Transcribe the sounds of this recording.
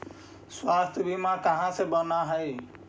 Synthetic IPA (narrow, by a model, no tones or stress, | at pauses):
swast̪ʰjəbʱimãkəɦãsebənaɦəi